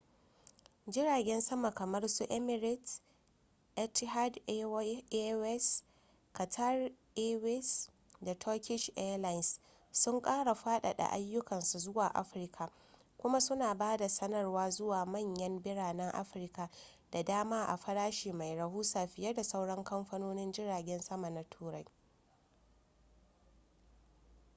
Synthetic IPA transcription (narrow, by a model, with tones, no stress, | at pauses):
d͡ʒɪ˦ɽaː˨ɡʲɛ˦nsɐ˦ma˨kɐ˨mɐ˦rsu˦ʔɛ˦mɪ˨ɾɪ˦t | ʔɛ˦tɦa˦d | wɛ˦s | kɐ˨tʰa˦rʔeː˦wɛ˦s | da˨tʰɔ˦kʲɪ˦ʃʔɛ˦la˦jns | sʊ˦ŋkʼaː˦ɽa˨ɸaː˦ɗa̰˨ɗa̰˨ʔa˦jːʊ˦kɐ˨nsu˨zʊ˦waː˨ʔa̰˦ɸɪ˨rkʰa˨ | kʷʊ˦ma˦sʊ˦naː˨baː˦da˨sɐ˦nɐ˦˨rwaː˦zʊ˦waː˨mɐ˦˨ɲjɐ˦mbɪ˦ɽaː˨nɛ˦ŋʔa̰˦ɸɪ˨rka˨ | d̥a˨daː˦maː˦ʔa̰˨ɸɐ˦ɽaː˦ʃiː˨ma˨jɾɐ˨huː˦saː˨ɸɪ˨jɐ˦rda˨sa˦wɽɐ˦ŋkɐ˦mɸɐ˦noː˦nɪ˦nd͡ʒɪ˦ɽaː˨ɡʲɛ˦nsɐ˦ma˨na˦tʰuː˦ɾa˦j